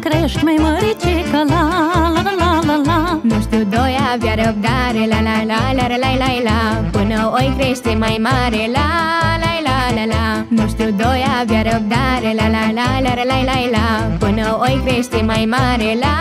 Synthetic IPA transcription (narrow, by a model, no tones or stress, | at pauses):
kɾeʃʈmɐjməɾit͡ʃʰikəlalɐlalɐlamust̪ud̪ɔjaʋjɐɾəp̚d̪aɾelalalalɐɾɐlalajla | punəojkɾeʃt̪emajmaɾela | lajla | lɐla | must̪ud̪ɔːjaʋjɐɾəp̚d̪aɾelalalalɐɾlajlajla | punəojkɾeʃt̪emajmaɾela